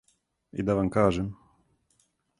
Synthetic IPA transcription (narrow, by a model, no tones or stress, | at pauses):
ḭd̪avaŋkaʐɘm